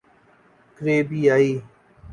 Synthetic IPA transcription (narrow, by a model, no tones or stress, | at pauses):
kɾeːbiːaːiː